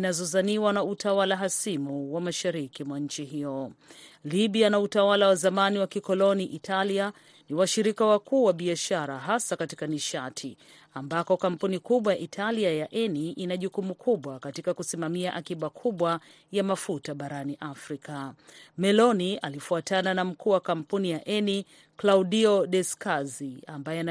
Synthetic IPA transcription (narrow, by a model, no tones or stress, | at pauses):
nazɔzaniwanautawalaɦasimuwamaʃaɾikimwaɲ̩t͡ʃiɦijɔ | liɓianautawalawazamaniwakikɔlɔniʔitʰalia | niwaʃiɾikawakuːwaɓiaʃaɾaɦasakatikaniʃatʰi | ambakɔkam̩punikuɓwajaʔitʰaliajaʔɛniʔinaʄukumukʰuɓwakatikakusimamiaʔakiɓakʰuɓwa | jamafutaɓaɾaniʔafɾikamɛlɔnia̰lifuatʰananam̩kuːwakam̩punijaʔɛni | klaudiɔɗɛskaziambajɛana